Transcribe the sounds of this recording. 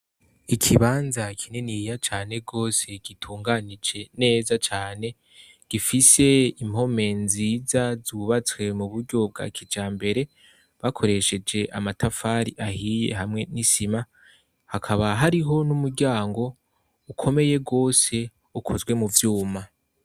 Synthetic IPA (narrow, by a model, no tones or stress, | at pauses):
ikʰiβaːnzakʰinenijat͡ʃaːne̞ɡo̞ːse̞ɡ̥itʰuːŋɡanid͡ʒe̞ne̞ːzat͡ʃaːne̞ | ɡ̥ifise̞imho̞me̞nziːzazuβat͡swe̞muβuɾɟo̞b̚ɡa̰ːkʰid͡ʒaːmbe̞ɾe̞ | βakʰo̞ɾe̞ʃe̞d͡ʒe̞ʔamatafaːɾiʔahije̞̰ɦamŋe̞nisima | hakʰaβaɦaɾiɦo̞numuɾɟaːŋɡo̞ | ukʰo̞me̞je̞ɡo̞ːse̞ | ukʰo̞zɡwe̞muvjuːma